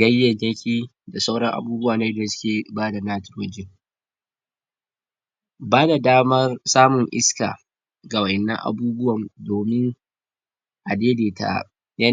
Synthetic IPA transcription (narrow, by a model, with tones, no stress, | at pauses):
ɡɐ˦jːɐ˨ɲjɐ˦kʲiː˦ | da˨sa˦wɽɐ˦ŋʔa̰˨buː˦bʊ˦waː˨na˦dsʊ̥˦kʲeː˨baː˦da˨naː˦tɪ˨rwɐ˦d͡ʒe˦ | baː˦da˨daː˦mɐ˦rsaː˦mʊ˨ŋʔɪ̰˦ska̰ː˨ | ɡa˨wɐ˨ʔɛ˨nːɐ̰˦ŋʔa̰˨buː˦bʊ˦wɐ˨mdoː˨mɪ˦ŋ | ʔa˨deː˦deː˨ta̰˨ | jɐ˦